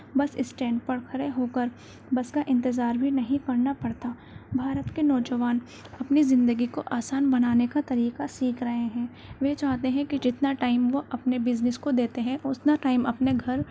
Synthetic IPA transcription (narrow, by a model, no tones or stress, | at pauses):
bɐsɪ̰sʈɛ̃ːɳɖ̚pɐɽkʰɐɾeɦoːkəɾ | bɐskaʔɪ̃nt̪ɪzaːɾbʱinɐɦĩkɐɾnapɐɽt̪a | bʱaːɾət̪kenɔːd͡ʒɐʋaːn | ɐpnizɪ̃nd̪əɡikoʔaːsaːnbɐnaːnekat̪ɐɾiːqasiːkʰɾɐɦeɦɛ̃ː | ʋeːt͡ʃaːɦt̪eɦɛ̃kid͡ʒɪt̪naʈaːɪmʋoʔɐpnebɪznɪskod̪eːt̪eɦɛ̃ʔʊsnaʈaːɪmɐpneɡʱɐɾ